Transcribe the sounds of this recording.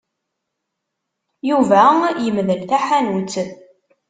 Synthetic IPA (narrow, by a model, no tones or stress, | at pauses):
juvæjəmðəlθæħænut͡sːð